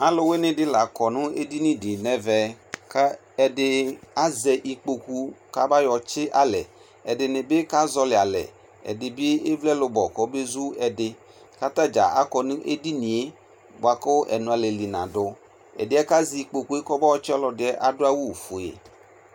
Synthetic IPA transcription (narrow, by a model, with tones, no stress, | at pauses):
a˦lʊ˦we˦nɪ̃˨dɪ˦la˨kɔ˨nʊ̃˦e˦di˦nĩ˦dɪ˨nɛ˦vɛ˨ | ka˦ | ɛ˨dɪ˦a˦zɛ˨ʔi˨k͡po˨ku˦˧ka˦ba˦jɔ˨t͡ʃɪ˦ʔa˦lɛ˨ | ɛ˨dɪ˨nɪ˨bɪ˦ka˦zɔ˧lɪ˨a˨lɛ̰˨ | ɛ̰˨dɪ˨bɪ˦ɪ˦vlɛ˦lʊ˨˧bɔ˨kɔ˨˦be˦zu˦ɛ˨dɪ˨ | ka˦ta˦d͡ʒa̰˨ʔa˦kɔ˨nʊ˦ʔḛ˦di˦ni˨e˦ | ba˨kʊ˦ʔɛ̰˨nʊ̃˨a˨lɛ˨li˨nã̰˨dʊ˨ | ɛ̰˨dɪ˨˦ɛ˦ka˦zi˨˦i˨k͡po˨ku˦e˦kɔ˦bɔ˦ɔ˦t͡ʃɪ˦ɔ˦lɔ˧dɪ˨˦ɛ˦ʔa˦dʊ˦a˦wu˦˨fʊ˨ḛ˨